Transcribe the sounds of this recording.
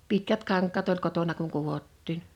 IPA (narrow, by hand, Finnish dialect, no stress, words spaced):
pitkæt kɑŋkˑɑtː olʲ kotonɑ kuŋ kuʋotːiːn